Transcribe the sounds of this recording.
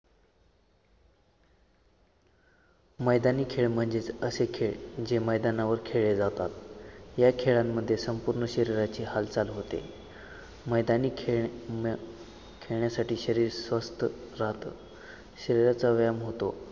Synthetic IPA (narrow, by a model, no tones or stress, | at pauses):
məjd̪aniːkʰeɭm̤əɳd͡zet͡səsekʰeɭd͡ʑeməjd̪anaʋəɾkʰeɭed͡zat̪at̪jakʰeɭamːəd̪ʱːjesəmpuɾɳəɕəɾiɾat͡ɕiːhalt͡salɦot̪ḛ | məjd̪aniː | kʰeɭɳjasaʈʰiːɕəɾiːɾsʋəst̪ʰəɾaɦt̪ə̰ | ɕəɾiɾat͡saʋjamɦot̪o